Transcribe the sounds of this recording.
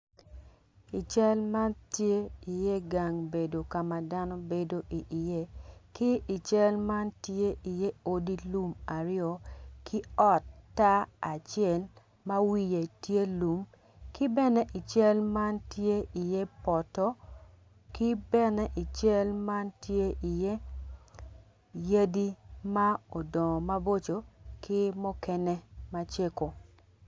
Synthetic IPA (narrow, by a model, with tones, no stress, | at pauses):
i˨t͡ʃɛ˦lma˦ntje˦i˨je˦ɡa˨ŋbe˨do˨ka˨ma˨da˦nɔ˦be˨do˦ʔi˨ʔi˨je˦ki˦ʔi˨t͡ʃɛ˦lma˦ntje˦ʔi˨je˦o˦di˦lu˦ma˨ɾɪɔ˨kʰi˦ɔ˦tːa˦a˨t͡ʃɪɛ˦˨l | ma˦wi˦je˨tje˦lu˨m | kɪ˦bɛ˦nɛ˦ʔi˨t͡ʃɛ˦lma˦ntje˦i˨je˦pɔ˨tɔ˦ | ki˦bɛ˦nɛ˦ʔi˨t͡ʃɛ˦lma˦ntje˦ʔi˨je˦ | je˦di˦ma˦o˨dɔ˨ma˦bo˦t͡ʃo˨ki˦mɔ˦kɛ˦ne˦ma˦t͡ʃe˦ko˨